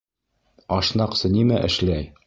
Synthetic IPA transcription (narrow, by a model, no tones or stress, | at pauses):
ɒʃnɑqsɤnimæʔɘ̰̆ʃlæj